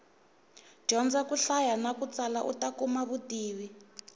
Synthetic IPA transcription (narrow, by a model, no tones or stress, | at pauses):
d͡ʒ̥ɔnd͡zakuɬajanakut͡salaʔṵtakumaβutiːwi